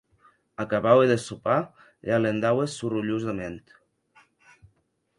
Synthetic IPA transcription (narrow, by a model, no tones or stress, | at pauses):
akaβaweðesupa | ʎalend̪awesuruʎuzðament̪